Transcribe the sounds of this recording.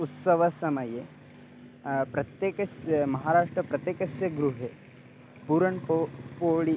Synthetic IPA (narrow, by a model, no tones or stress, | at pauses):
ut̪sɐʋɐsɐmɐje | pɾɐt̪jeːkɐsjɐmɐɦaːɾaːʂʈɾɐpɾɐt̪jeːkɐsjɐɡɾuɦe | puːɾɐɳkopoːɭi